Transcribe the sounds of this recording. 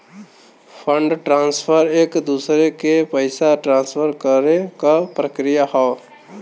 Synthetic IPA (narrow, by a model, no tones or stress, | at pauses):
pʰə̃ɳɖʈɾãːnspʰəɾeːkd̪uːsɾekepəɪsaʈɾãːnspʰəɾkəɾekapɾəkɾijaɦɔː